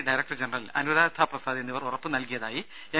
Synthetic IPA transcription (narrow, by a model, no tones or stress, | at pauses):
ɖɐjɾɐkʈɐrd͡ʑenɐrɐlɐ̰nuʋðaːɾt̪ʰaprɐsaːd̪ienːiʋɐrurɐpːɨnɐlkijɐðaːji | e